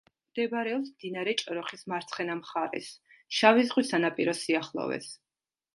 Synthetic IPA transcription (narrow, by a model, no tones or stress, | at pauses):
md̪̥ɛbɾɛɔpsmd̪inaɾɛt͡ʃʼɾɔχismaɾt̪sʰχɛnamχaɾɛ̰s | ʃavizʁwisanapʼiɾɔsiaχlˠɔ̰vɛ̰s